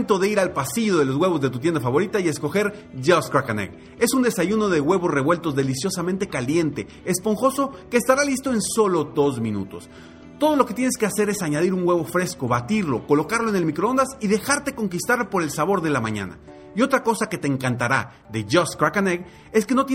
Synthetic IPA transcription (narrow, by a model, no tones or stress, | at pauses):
nt̪o̞ðeiɾalpasiðoðe̞lo̞zɣwe̞β̞o̞zðe̞t̪ut̪jend̪afaβo̞ɾit̪aie̞sko̞xe̞ɾʝoskɾakanḛɡ | e̞sund̪e̞saʝuno̞ðe̞ɣwe̞βo̞sre̞βwe̞lt̪o̞zðe̞lisjo̞sament̪e̞kalje̞nt̪e̞ːspo̞ŋxo̞so̞keːst̪aɾalist̪o̞e̞nso̞lo̞ðo̞zmĩnṵt̪o̞̰s | t̪o̞ð̞o̞lo̞ket̪jene̞ske̞ase̞ɾe̞saɲað̞iɾuŋɡwe̞βo̞fɾe̞sko̞βat̪iɾlo̞ko̞lo̞kaɾlo̞ene̞lmikɾoo̞nd̪asiðe̞xaɾt̪e̞ko̞ŋkist̪aɾpo̞ɾe̞lsaβo̞ɾðe̞lamãɲã̰na̰ | io̞t̪ɾako̞sake̞t̪eːŋkant̪aɾa | ðe̞ʝoskɾakaneɣ | e̞ske̞no̞t̪̬e